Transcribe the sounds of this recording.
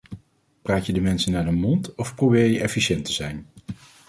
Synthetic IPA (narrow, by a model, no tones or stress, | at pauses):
praːtjədəmɛnsənːaːɹdəmɔntɔfprobɪːɹjəɛfiʃɛntəzɛjn